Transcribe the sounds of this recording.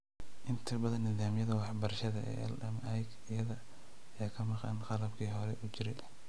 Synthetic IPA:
ʔɪnt̪ʰɐbɐðɐnːɪðaːmjɐðɐwɑħbɐrɐʃɐðɐɛ̰ːɛ̰lɛmɛjk | ɪjɐðɐ | ɐjaːkʰɐmɑqɑ̰nqɑlɐbkʰiːɦɔɾɛʔut͡ʃɪɾɛ

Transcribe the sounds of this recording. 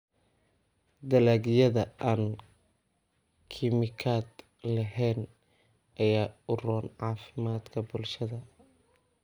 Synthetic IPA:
d̪ɐlaːɡjɐðɐʔaːn | kʰɪmɪkʰaːd̪ | lɐɦɛːn | ʔɐjaːʊrɔːnʕɑːfɪmaːd̪kʰɐbʊlʃɐðɐ

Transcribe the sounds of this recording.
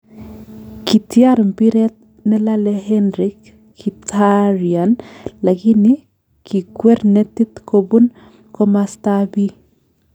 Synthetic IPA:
kitjaɾmpiɾɛt̪̚ | nɛlalɛɦɛnɾikː | itʰaɾianlakini | kʰikwɛɾnɛtit̪kʰobun | komastabi

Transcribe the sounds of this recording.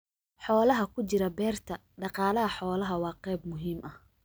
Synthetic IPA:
ħɔːlɐɦɐkʰʊt͡ʃɪɾɐbɛːrt̪ʰɐ | ɖɑqɑːlɐɦɐħɔːlɐɦɐwɑːqɛjb̚mʊɦiːmʔɐh

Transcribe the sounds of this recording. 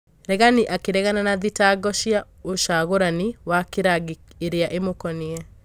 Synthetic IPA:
ɾɛɣaniʔakeɾɛɣananaðitaɡɔʃia | oʃaɣoɾanɪwakeɾaɡeɾeaʔemokɔnɪɛ

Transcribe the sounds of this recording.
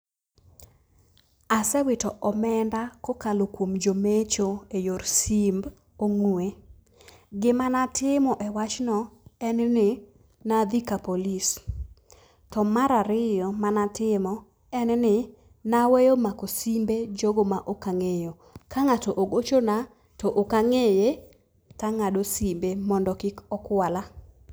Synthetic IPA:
asɛwɪtɔʔɔmɛndakokalokwomd͡ʒomet͡ʃoejoɾsimb | oŋue | ɡɪmanatɪmɔʔɛwat͡ʃnɔɛnnɪ | nad̪ikapolis | tɔmaɾaɾɪjɔmanatɪmɔ | ɛnnɪ | nawejomakosimbed͡ʒoɡomaʔokaŋejo | kʰaŋatɔʔoɡot͡ʃona | tɔʔokaŋeje | kaŋadosimbemɔndɔkɪkɔkwala

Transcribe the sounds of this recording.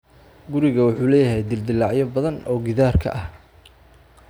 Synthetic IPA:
ɡʊɾɪɣɐwʊħuːlɛːjɐɦɛjd̪ɪld̪ɪlːɑʕjɔbɐðɐnɔːɡɪðaːrkʰɐ̰ʔɐh

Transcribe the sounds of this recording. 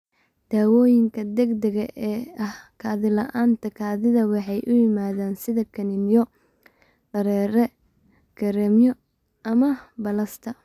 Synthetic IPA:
d̪̥aːwɔːjɪŋkʰɐd̪ɛɡd̪ɛɣɐʔɛːɐhkʰaːðɪlɐʔaːnt̪ʰɐkʰaːðɪðɐwɑħɑjʔʊjɪmaːðaːnsɪðɐkʰɐnɪnjɔ | ɖɐɾɛːɾɛ | kʰɐɾɛmjɔ | ɐmɐbɐlɐst̪ʰɐ

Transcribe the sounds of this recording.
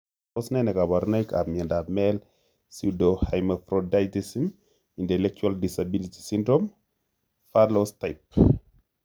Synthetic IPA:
osnɛnɛkabaɾnajka̰mɛndamɛl | sudohajmafɾodajtisim | intɛlɛk̚t͡ʃualdisabiliti̥sindɾɔm | faɾlostajp̚

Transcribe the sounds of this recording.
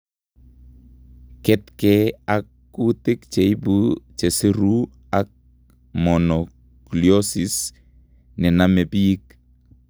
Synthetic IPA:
kɛtkɛakːutɪkt͡ʃeibut͡ʃesiɾu | ak̚ | mɔnɔ | kliɔsis | nɛnamɛbik

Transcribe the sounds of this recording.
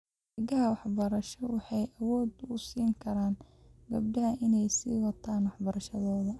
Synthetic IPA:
ɪɡɐɦɐwɑħbɐɾɐʃɔwɑħɑjʔɐwɔːd̪ʊsiːŋkʰɐɾaːn | ɡɐb̚ɖɐɦɐʔɪnɛjsḭːwɑt̪ʰaːnwɑħbɐɾɐʃɐðɔːðɐ

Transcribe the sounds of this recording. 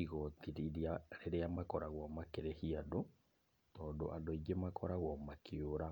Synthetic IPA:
iɣɔt̪iɾiɾiaɾeɾeamakɔɾaɣwɔmakeɾehiado | tɔːndo̰ʔadoiɡemakʰɔɾaɣwɔmakʰeoɾa

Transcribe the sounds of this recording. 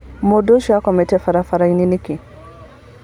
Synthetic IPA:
modoʃakɔmɛtɛfaɾafaɾaininikɛ̃

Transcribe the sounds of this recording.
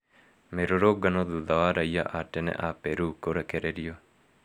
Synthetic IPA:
meɾoɾoɡanɔðuðawaɾaia̰ʔatɛnɛ̰ʔapɛɾukoɾɛkɛɾɛɾio

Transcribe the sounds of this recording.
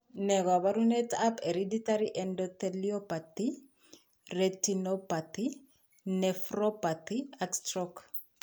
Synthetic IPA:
nɛkwaβaɾunet̪apeɾidit̪aɾiʔɛndɔt̪eliopat̪i | ret̪inopat̪i | nefɾopat̪iakstɾɔk

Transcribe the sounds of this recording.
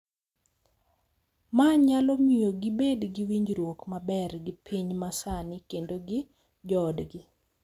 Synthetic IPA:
maɲalɔmijoɡɪbedɡɪwiɲd͡ʒɾwokmabɛrɡɪpʰiɲmasanɪkendoɡɪ | d͡ʒɔdɡɪ

